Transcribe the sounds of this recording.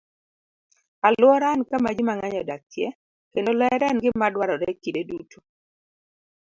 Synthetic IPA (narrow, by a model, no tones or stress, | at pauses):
alwɔɾankamad͡ʒimaŋaɲɔdakjɛ | kendolɔɛɾɛnɡɪmadwaɾɔɾɛkidedutʰo̥